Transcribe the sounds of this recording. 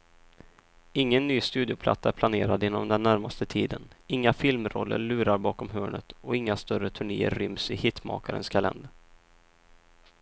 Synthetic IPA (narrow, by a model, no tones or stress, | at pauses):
ɪŋːənːyːst̪ʉ̟ːd̪ɪʊpʰla̰t̪sːaæɾpʰlaneːɾad̪jɪnːɔmd̪ɛnːæɾmast̪ət̪ʰiːd̪ənɪŋːafɪlmɾɔ̰lːə̰ɭʉ̟ːɾaɾbɑːkɔmɦøːɳə̰t̪ɔɪŋːast̪œɾət̪ʰɵɳḛːə̰ɾːʏmsɪhɪt̪ːmɑ̰ːkaɾə̰nskʰalɛ̰nd̪əɾ